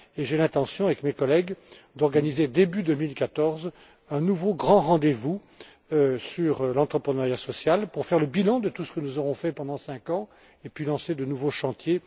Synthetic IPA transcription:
eʒelɛ̃t̪ɑ̃sjɔ̃avɛkmekɔlɛɡd̪ɔʁɡanized̪ebyd̪əmilkat̪ɔʁz | ɛ̃nuvoɡʁɑ̃ʁɑ̃d̪evu | syʁlɑ̃t̪χəpχənaʁjasɔsjalpuʁfɛʁləbilɑ̃d̪ət̪usə̥kənuzɔʁɔ̃fɛpɑ̃d̪ɑ̃sɛ̃kɑ̃ | epɥilɑ̃sed̪ənuvoʃɑ̃t̪je

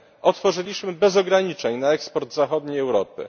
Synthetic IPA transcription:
ʔɔt̪fɔʐɘlʲiɕmɘbɛzɔɡɾaɲit͡ʂɛɲnaɛkspɔɾd̪zaxɔd̪ɲejɛwɾɔpɘ̰

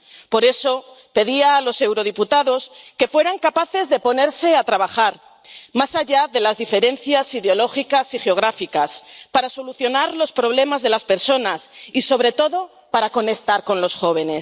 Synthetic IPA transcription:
po̞ɾe̞so̞ | pe̞ðiaːlo̞se̞wɾo̞ð̞iput̪aðo̞ske̞fwe̞ɾaŋkapaθe̞zðe̞po̞ne̞ɾse̞at̪ɾaβ̞axaɾ | masaʝaðe̞lazðife̞ɾe̞nθjasiðeo̞lo̞xikasixeo̞ɣ̞ɾafikaspaɾaso̞luθjo̞naɾlo̞spɾo̞β̞le̞mazðe̞laspe̞ɾso̞nasiso̞β̞ɾe̞t̪o̞ðo̞ | paɾako̞ne̞k̚t̪aɾko̞nlo̞sxo̞β̞e̞ne̞s

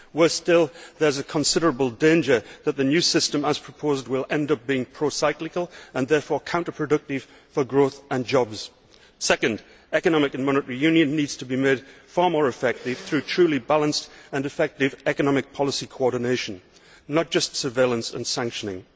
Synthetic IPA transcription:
wəstɪlˠðə˞zəkʰə̃nsɪɾə˞əbəl̩ˠdẽnd͡ʒə˞ðət̪̚ðɨnjʉsɪstə̃məz̥pʰɹ̥əpʰozd̚wɪlˠɛ̃ndʌp̚b̥iɪ̃ŋpʰɹ̥osaɪklɨkəl̩ˠə̃nðɛɹfɔɹkʰãʊ̃ntə˞pʰɹ̥ɨdʌk̚tɪv̥ | fə˞ɡɹoθə̃nd͡ʒɑbz̥ | sɛkɨ̃nd | ɛkɨnɑmɨkɨ̃nmɑñətəɹijʉ̃njɨ̃nːidz̥tʰəbimed̥fɑɹmɔɹɨfɛk̚tɪv̥θɹʉtʰɹ̥ʉlˠibalˠə̃nstə̃nɨfɛk̚tɪvɛkənɑmɨk̚pʰɑlˠəsikʰoɔɹdⁿn̩eɪʃə̃nː | ət̚d̥ʒ̥ʌstsə˞veɪlˠə̃nsə̰̃nsæ̃ŋkʃənɪ̰̃ŋ

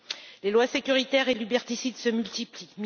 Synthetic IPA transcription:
lelwasekʲyʁit̪ɛʁelybɛʁt̪isid̪səmylt̪iplim

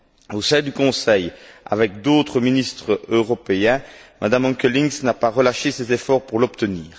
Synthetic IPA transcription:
osɛ̃d̪ykɔ̃sɛja̰vɛk̚d̪oːt̪χəminist̪χəøʁɔpeɛ̃mʔad̪amɑ̃kəliŋsnapaʁəlaʃesezefɔʁpuʁlɔpt̪əniːʁ

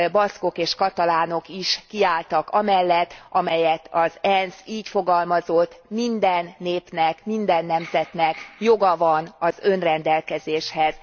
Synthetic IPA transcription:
bɒsko̞keːʃkɒt̪ɒlaːno̞kiʃkiaːlt̪ɒkɒmɛlːɛt̪ːʔɒmɛjɛt̪ʰɒzɛnsiːcfo̞ɡɒlmɒzo̞t̪ːmind̪ɛnːeːpnɛkmind̪ɛnːɛmzɛt̪nɛkjo̞ɡɒvɒnɒzø̞nrɛnd̪ɛlkɛzeːʃhɛz̥

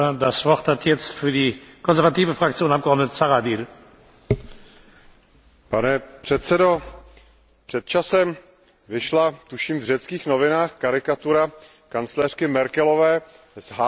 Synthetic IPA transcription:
dasvɔʁthatʰjɛt͡stfyɐdiːkʰɔnzɛɐʁvatiːvəfʁak̚t͡sjoːnapɡəɔʁdnət͡saʁadiːl | panɛpr̝̥ɛt̪t͡sɛdo | pr̥ɛt̪̚t͡ʃasɛm | vɪʃlat̪uʃiːmvrɛt͡skiːxnovɪnaːxkaɾɪkat̪uɾa | kant͡slɛr̥kɪmɛɾkɛlovɛː | zɦa

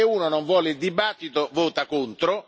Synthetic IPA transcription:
ɪuːnonoɱvwɔːlɪild̪ibat̪ːit̪ovoːt̪akunt̪ɾo

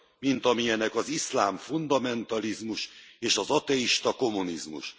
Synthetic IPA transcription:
mint̪ɒmiɛnɛkɒzislaːɱfund̪ɒmɛnt̪ɒlizmuʃeːʃɒzɒt̪ɛiʃt̪ɒko̞munizmṵʃ

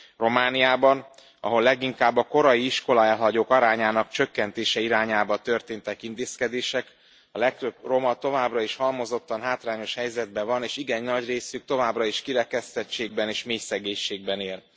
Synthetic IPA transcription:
ro̞maːnijaːbɒn | ɒ̰ɦo̞lːɛɡiŋkaːbːɒko̞ɾɒjiiʃko̞lɒɛlɦɒɟoːkɒɾaːɲaːnɒkt͡ʃø̞kːɛnt̪eːʃɛiɾaːɲaːbɒt̪ørt̪eːnt̪ɛkint̪eːskɛd̪eːʃɛk | ɒlɛk̚t̪øbro̞mɒt̪o̞vaːbrɒiʃhɒlmo̞zo̞t̪ːɒnɦaːt̪raːɲo̞ʃhɛjzɛd̪̚bɛvɒneːʃiɡɛɲnɒɟreːsyk̚t̪o̞vaːbrɒiʃkiɾɛkɛst̪ɛt͡ʃːeːɡ̚bɛneːʃmeːjsɛɡeːɲʃeːɡ̚bɛneːl

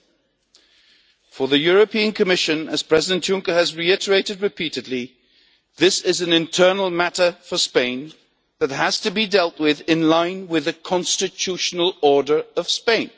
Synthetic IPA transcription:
fə˞ðɨjʊɹɨpʰĩɨ̃nkʰəmɪʃɨ̃nəz̥pʰɹ̥ɛzɪdɨ̃nʔjʊ̃ŋkəːzɹiɪɾə˞eɪɾɨd̚ɹɨpʰiɾɨdˡli | ðɪsɪzɨ̃nɨ̃ntʰɜ˞nl̩ˠmæɾə˞fə˞spẽɪ̃n | ðət̚ɦəz̥tɨbidɛlˠʔ̚wɪðɪ̃nlãɪ̃nwɪðɨkʰɑ̃nstɨt͡ʃʰʉʃənəl̩ˠɔɹdə˞ʌv̥spẽɪ̃n

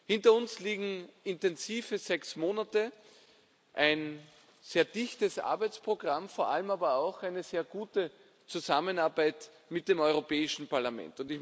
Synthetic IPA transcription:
hɪntɐʊnsliːɡŋ̩ɪntɛnziːvəzɛksmoːnatə | ʔaɪn | z̥eːɐd̥ɪçtəsʔa̰ɐbæɪt͡spʁ̥oɡ̥ʁamfoːɐʔa̰ləmaːbɐaʊxaɪnəz̥eːɐɡ̥uːtə | t͡suzamənaɐbaæɪt | mɪt̚d̥emɔʏʁopɛːɪʃn̩paɐlamɛ̰̃ntʊndtɪç

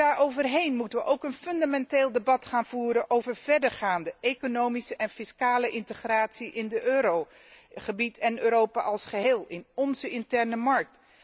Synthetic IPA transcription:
aːɹowvəɹɦejnmutənʋəʔowkənfɵndamɛnteːlˠdəbɑtχaːnv̥uːɾənʔowvəɹvɛɹdəɹχaːndəekonowmisəʔɛnfɪskaːləʔɪntəχraːtsiʔɪndəʔøːɾo | χəbitʰɛnøːɾowpa̰ʔɑlˠsχəɦeːlˠɪnɔnzəɪntɛɹnəmɑɹk̚t

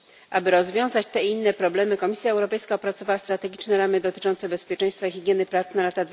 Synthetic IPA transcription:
ʔabɘɾɔzvʲjɔ̃w̃zat͡ɕt̪ɛiinːɛpɾɔblɛmɘkɔmʲisʲjaɛwɾɔpɛjskaɔpɾat̪sɔvawast̪ɾat̪ɛɡʲit͡ʂnɛɾamɘd̪ɔt̪ɘ̥t͡ʂɔnt̪sɛbɛspʲjɛt͡ʂɛj̃st̪faixʲiɡʲjɛnɘpɾat̪snalat̪ad̪

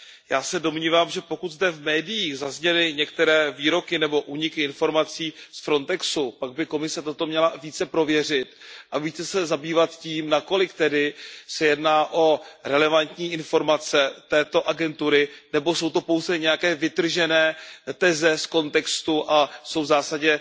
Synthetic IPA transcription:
jaːsɛdo̞mɲiːvaːmʒɛpo̞kut̪zdɛvmɛːdɪjiːɣzazɲɛlɪɲɛkt̪ɛɾɛːviːɾo̞kɪnɛbo̞ʔuːɲɪkɪɪnfo̞ɾmat͡siːsfɾo̞nt̪ɛksupaɡ̚bɪko̞mɪsɛt̪o̞t̪o̞mɲɛlaviːt͡sɛpɾo̞vjɛr̝ɪt̪ʔaviːt͡sɛsɛzabiːvat̪ciːmnako̞lɪkt̪ɛdɪsɛjɛdnaːʔo̞ɾɛlɛvant̪ɲiːʔɪnfo̞ɾmat͡sɛt̪ɛːt̪o̞ʔaɡɛnt̪uɾɪnɛbo̞so̞wt̪o̞po̞wzɛɲɛjakɛːvɪt̪r̩ʒɛnɛːt̪ɛzɛsko̞nt̪ɛkst̪uʔaso̞wzaːsaɟɛ

